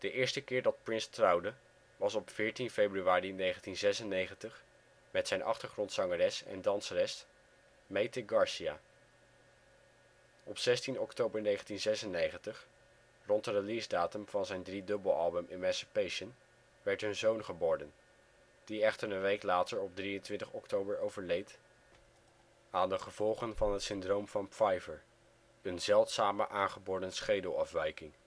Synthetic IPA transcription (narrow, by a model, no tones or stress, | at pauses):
d̥əʔɪːɹstəkɪːɹdɑt̚prɪnstrɑwdə | ʋɑsɔpfɪːɹtinfejbryʋaːrinejχəntinzɛsənejχəntəχ | mɛtsɛjnʔɑ̰χtəɹχrɔntsɑŋərɛsɛ̰ndɑnsərɛst | mejtəɡɑɹsiaː | ɔpsɛstinɔktowbəɹnejχəntinzɛsənejχəntəχ | rɔntərəlizdaːtəmv̥ɑnzɛjndridɵbəlˠɑlˠbəmɪmɛ̃nsɪpejʃən | ʋɛɹtɦɵnzownχəbɔːɹdən | d̥iɛχtəɹənʋejklaːtəɹɔb̚drijəntʋɪntəχɔktowbəɹowvəɹlejt | aːndəχəv̥ɔlˠχənvɑnɦətsɪndrowmv̥ɑnpfɑjvəɹ | ənzɛlˠtsaːmə̰ʔaːnχəbɔːɹdənsχejdəlˠɑfʋɛjkɪŋ